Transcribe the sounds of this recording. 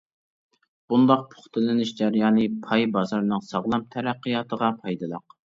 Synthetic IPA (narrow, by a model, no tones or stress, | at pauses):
b̥und̪ɑq̚pʰo̥χt̪ʰɪlɪnɪʃd͡ʒæɾjɑːnɨpʰɑjbɑzɑɾnɨŋsɑʁlˠɑmt̪ʰæɾæqːijɑːt̪ʰəʁɑpʰɑjd̪ɨlˠɑ̰q